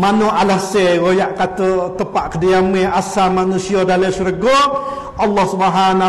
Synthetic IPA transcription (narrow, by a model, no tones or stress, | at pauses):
manɔʔalahseɣojaʔkat̪ət̪əpaʔkədəjamɛʔasamanusiɔdalesuɾɡɔ | ɑlːɔhsubɦana